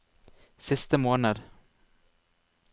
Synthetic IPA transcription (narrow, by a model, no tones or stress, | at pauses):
sɪst̪əmoːnad̪